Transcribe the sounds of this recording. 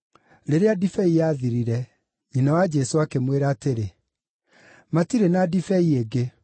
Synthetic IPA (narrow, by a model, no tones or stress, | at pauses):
ɾeɾeadifɛijaðiɾiɾɛ | ɲinawad͡ʒɛsoakemweɾaːteɾe | matiɾenadifɛieɡe